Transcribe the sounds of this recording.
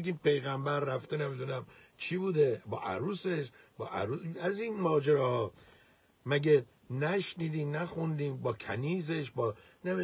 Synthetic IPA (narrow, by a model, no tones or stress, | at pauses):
eɡʲiːmpʰe̞jɣæmbæɾːæft̪enemid̪unæm | t͡ʃʰibuːd̪e̞bɒːʔæ̰ɾuːse̞ʃ | bɒːʔæ̰ɾuæzinmɒːd͡ʒeɾɒːhɒː | mæɡe | næʃniːd̪iːmnæxund̪iːmbɒːkʰæniːze̞ʃbɒː | nei